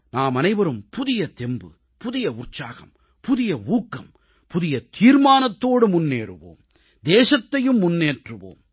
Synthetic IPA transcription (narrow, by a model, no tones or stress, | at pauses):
naːmɐnɐɪʋɐɾɯmpʊðɪjɐt̪ɛmbɯ̰ | pʊðɪjɐʊrt͡ʃaːɣɐ̰m | pʊðɪjɐuːkːɐm | pʊðɪjɐt̪ʰiːɾmaːnɐt̪ːoːɽɯmʊnːeːɾɯ̰ʋo̰ːm | d̪eːʂɐt̪ːɐjɯmːʊnːeːʈrɯʋo̰ːm